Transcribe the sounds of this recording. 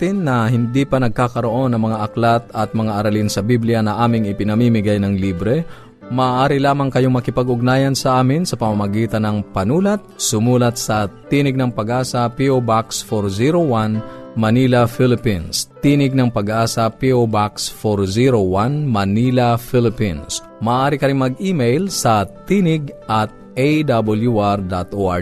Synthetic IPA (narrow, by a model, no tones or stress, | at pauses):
t̪ɪnːɐhɪnd̪ipɐnɐɡ̚kakɐɾoʔo̞nɐŋmɐŋaʔɐklat̪ɐt̪̚mɐŋaʔɐɾɐlinsɐbiblɪjanɐʔaːmɪŋɪpɪnɐmiːmɪɡajnɐŋliːbɾɛ | mɐːʔaːɾɪlaːmɐŋkɐjoŋmɐkɪpɐɡʊɡ̚naːjɐnsɐʔaːmɪnsɐpɐmamɐɡiːt̪ɐnɐŋpɐnuːlɐt̪̚sʊmuːlɐt̪̚sɐt̪iːnɪɡ̚nɐŋpɐɡʔaːsɐpiʔobaksfoɾziɾowanmɐnilɐfɪlɪpinst̪iːnɪɡ̚nɐŋpɐɡʔaːsɐpiobaksfoɾziɾowanmɐnilɐfɪlɪpins | mɐːʔaːɾɪkɐɾɪŋmɐɡ̚ʔimɛjlsɐt̪iːnɪɡʔɐt̪̚ʔejd̪abɐljuʔaɾd̪at̪ʔoʔa̰